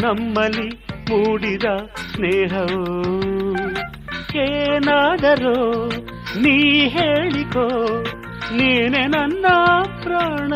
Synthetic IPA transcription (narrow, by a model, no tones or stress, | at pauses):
nɐmːɐlːimuːɽid̪ɐneːɦɐo | eːnaːd̪ɐɾo | niːɦeːɭiko | niːnenɐnːɐpɾaːɳɐ